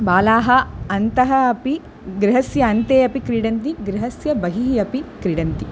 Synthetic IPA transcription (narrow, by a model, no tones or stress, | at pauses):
baːlaːɦɐɐnt̪ɐɦɐɐpi | ɡɾɪɦɐsjɐɐnt̪eːɐpikɾiɽɐnt̪iɡɾɪɦɐsjɐbɐɦiɦiɐpikɾiɽɐnt̪i